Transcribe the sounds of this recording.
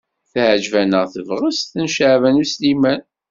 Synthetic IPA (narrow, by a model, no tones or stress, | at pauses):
θʕd͡ʒvænəʁθəvʁəsθənʃəʕvænuslimæn